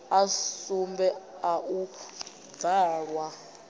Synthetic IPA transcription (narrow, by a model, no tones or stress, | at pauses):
asumbɛaʔu | d͡zaːɺwa